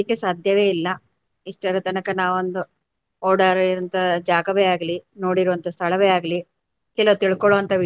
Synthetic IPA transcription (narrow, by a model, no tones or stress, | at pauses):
ikːesaːd̪ʱjɐʋeːilːɐ | iʂʈɐɾɐt̪ɐnɐkɐnaːʋond̪u | oːɽɐɾɐnt̪ɐd͡ʒaːɡɐʋeaːɡɐlino̞ːɽiɾuʋɐnt̪ɐst̪ʰɐɭɐʋeaːɡɐli | kɛlɐʋt̪iɭkɔɭoːɐnt̪ɐʋ